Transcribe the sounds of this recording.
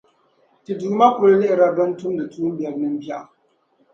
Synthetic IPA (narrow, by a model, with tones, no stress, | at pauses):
ti˨duː˨˦ma˦kʊ˨ɾa˦lɪ˦ʔɪ˨ɾa˦dɔ˦n˦tʊ˦m˦dɨ˨tuː˦m˦bjɛ˨ɾnɨ˦m̩˦bja˦˨ʔ